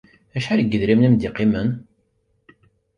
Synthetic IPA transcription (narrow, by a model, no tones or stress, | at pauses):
æʃaɾɡːəðɾimnimd̪iqimən